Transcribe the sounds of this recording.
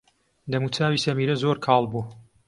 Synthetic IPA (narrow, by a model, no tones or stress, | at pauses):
d̪ɐmut͡sʰaːwiːsɐmiːɾɐzoːɾkʰɑːlˠbuː